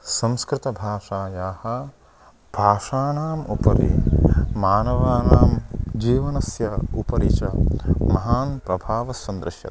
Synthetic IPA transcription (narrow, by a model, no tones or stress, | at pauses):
sɐ̃mskɾɪt̪ɐbʱaːʂaːjaːhɐ̆ | b̥ʱaːʂaːnaːmṵpɐɾḭmaːnɐʋaːnaːmd͡ʒiːʋɐnɐsjɐupɐɾḭt͡ʃɐmɐɦaːnpɾɐbʱaːʋɐsɐnd̪ɾɪʃjɐ̰t̪